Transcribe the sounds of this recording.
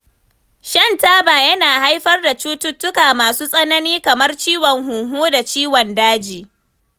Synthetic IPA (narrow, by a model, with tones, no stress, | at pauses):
ʃɐ˦˨ntaː˦baː˨jɐ˦naː˨ha˦jɸɐ˦rda˨t͡ʃuː˦tʊ˦tːʊ˦kaː˨maː˨suː˦sʼɐ˦nɐ˦niː˦kɐ˨mɐ˦rt͡ʃiː˦wɔ˨ŋhuː˨ɦoː˦da˨t͡ʃiː˦wɔ˨ndaː˦d͡ʒiː˨